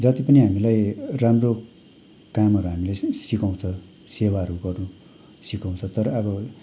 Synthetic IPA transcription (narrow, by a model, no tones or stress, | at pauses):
d͡zʌt̪ipʌniɦamilajramro | kamʌɾuɦamilesikaw̃t͡sʰʌ | sewaʌɾuɡʌrnu | sikaw̃t͡sʰʌt̪ʌɾʌʌbʌ